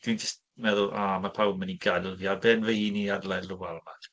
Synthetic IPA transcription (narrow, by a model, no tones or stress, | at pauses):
d̥wind͡ʒəst̚ | mɛðʊlˠaːmapʰawməniɡalˠvjabɛːnvəhiːniadlˠalˠʊwalma